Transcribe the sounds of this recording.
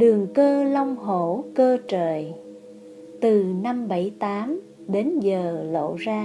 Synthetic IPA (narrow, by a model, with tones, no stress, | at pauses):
ɗɨ˨˩əŋkəː˧lɔ˧wŋ͡mɦo˧˩kəː˧t͡ɕəː˧˨˩j | t̪ɨ˨˩na˧mɓə˧˩jt̪aː˨˦m | ɗe˨˦nzəː˨˩lo̰˧˨zaː˧